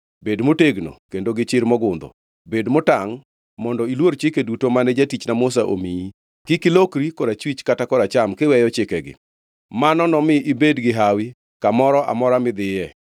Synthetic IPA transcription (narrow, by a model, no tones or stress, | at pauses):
bedmoteɡno̰kendoɡɪt͡ʃɪɾmɔɡʊnd̪ɔ̰ | bedmotaŋ | mɔndɔilwoɾt͡ʃɪkedutomanɛd͡ʒatit͡ʃnamos̬aʔo̰miji | kɪkɪlokɾikɔɾat͡ʃwit͡ʃkatakɔɾat͡ʃamkɪwɛjɔt͡ʃɪkɛɡɪ̰ | manɔnɔmɪʔibedɡɪɦawi | kamɔɾɔʔa̰mɔɾamɪd̪ɪjɛ